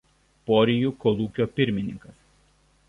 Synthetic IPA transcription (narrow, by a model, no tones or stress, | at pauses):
pɔːɾʲɪjuˑkɔlˠuːkʲoːpʲɪɾʲmʲɪnʲɪŋkɐs